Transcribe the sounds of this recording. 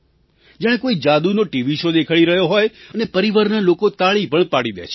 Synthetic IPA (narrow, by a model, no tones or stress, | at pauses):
d͡ʒjãẽkoid͡ʒad̪unoʈiʋiʃod̪ekʰəɭiɾəɦjoɦojənepəɾiʋaɾnalokot̪aɭipəɳpaɽid̪ḛt͡ʃʰ